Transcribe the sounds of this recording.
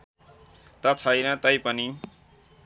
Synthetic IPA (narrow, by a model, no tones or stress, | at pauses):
t̪ʌt͡sʰʌjnʌt̪ʌjpʌni